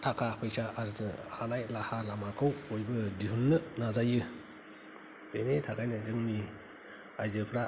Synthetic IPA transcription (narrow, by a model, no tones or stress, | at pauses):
tʰakʰapʰɯjsaʔaɾzɯhanajlahalamakʰɯwojbɯdihunːɯnazajɯ | b̥ʰenetʰakʰajnɯzɯŋni | ajzɯpʰɾa